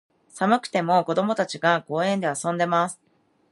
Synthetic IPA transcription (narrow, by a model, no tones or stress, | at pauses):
samɯ̟kɯ̟̥t̪e̞mo̞ko̞d̪o̞mo̞t̪at͡ɕiɡaɡo̞ːẽ̞nd̪e̞asõ̞nd̪e̞masɨ̥